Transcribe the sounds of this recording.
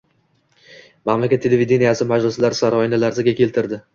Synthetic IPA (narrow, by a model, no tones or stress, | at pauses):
mamlakʲat̪ʰːe̞lʲevid̪e̞nijasɪmad͡ʒlɪslaɾsaɾɒɪnalaɾd̪aɡʲakʲʰe̞lt̪ʰɪɾd̪ɪ